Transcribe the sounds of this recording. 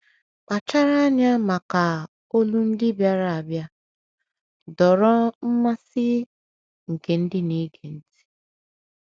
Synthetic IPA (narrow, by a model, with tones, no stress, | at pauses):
k͡pa˨t͡ʃa˦ɾa˦ɲa˦ma˨ka˨ | o˦lu˦n̩˦dɪ˦bja˦ɾa˨a˨bja˦ | dɔ˨ɾɔ˦m̩˦ma˦sɪ˦ | ŋ̩˨ke˨n̩˦dɪ˦ni˦ɡe˨n̩˦ti̥˦